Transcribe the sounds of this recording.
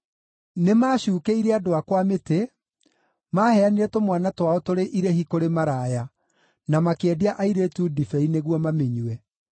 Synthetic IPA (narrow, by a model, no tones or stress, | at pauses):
nemaːɕuːkeiɾɛadoakwamete | mahɛaniɾɛtomwanatwaɔtoɾeʔiɾehikoɾemaɾaːja | namakɛdeaʔaiɾetuːdifɛineɣwɔmameɲuɛ